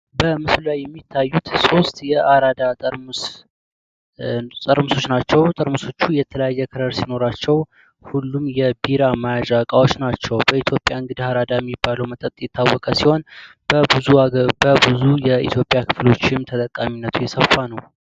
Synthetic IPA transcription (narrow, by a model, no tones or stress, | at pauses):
bəmɨslulajːɛmːit̪ʰːajːut̪so̞st̪ʼjɛʔaɾad̪a | t̪ʼəɾmɨso̞t͡ʃːnat͡ʃːɛwt̪ʼəɾmɨso̞t͡ʃːujɛt̪ʰələjajːɛkʰɨɾəɾsino̞ɾat͡ʃːɛw | hulːumjɛbiɾamajad͡ʒakʼawo̞t͡ʃːnat͡ʃːɛwbəit̪ʰjo̞pʼːjaɨŋɡɨd̪ihaɾad̪ajɛmːibːaləwmət̪ʼət̪ʼjɛt̪ʰːawːɔkʼəsiho̞n | bəbɨzubəbɨzujɛḭt̪ʰjo̞pʼjakʰɨflo̞t͡ʃːɪmt̪ʰət̪ʼəkʼːaminːət̪ʰujɛsəfːanəw